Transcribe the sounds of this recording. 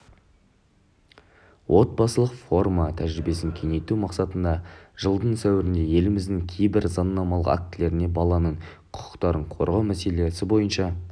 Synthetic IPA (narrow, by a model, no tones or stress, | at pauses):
wʔo̞t̪̚bɑsəlˠəqfo̞rmat̪ʰæʒɾɪbe̞sɪŋkʲʰe̞ŋe̞jt̪umɑqsɑt̪ənd̪ɑʒ̥əlˠd̪əɴsæwɪɾɪnd̪e̞je̞lɪmɪzd̪ɪŋkʲʰe̞jbɪɾzɑnːɑmɑlˠəqa̰k̚t̪ɪle̞ɾɪne̞bɑlˠɑnəɴqʰʊ̥qʰə̥qt̪ɑɾəɴqʰo̞̰ɾʁɑmæse̞le̞sɪbo̞jənʃɑ